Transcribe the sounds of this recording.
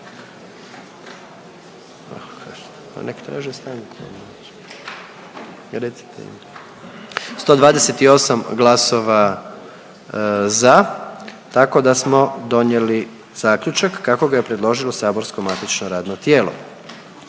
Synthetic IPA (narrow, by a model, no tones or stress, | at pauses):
a | pa̰nekt̪ɾa̰ːʒist̪aːŋko̰d̪o | ɾet̪si̥t̪ḛḭm | st̪o̞ːd̪ʋaːd̪ese̞t̪io̞samɡlaso̞ʋa | za | t̪ako̞d̪asmo̞d̪o̞njeli | z̥aːkʎʲut͡ʃakːako̞ɡajepɾe̞d̪lˠo̞ʒilˠo̞saːboɾskomat̪it͡ʃnoɾaːd̪not̪je̞ːlo̞̰